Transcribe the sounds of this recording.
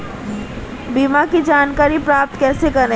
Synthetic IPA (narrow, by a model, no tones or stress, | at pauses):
biːmakid͡ʒaːnkaːɾipɾaːp̚t̪kɛːsekɐɾne